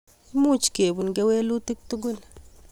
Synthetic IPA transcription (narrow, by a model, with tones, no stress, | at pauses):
mu˦t͡ʃke˨bu˨nɡe˧we˦lu˦t̪i˦k̚t̪u˦ɡu˦˨n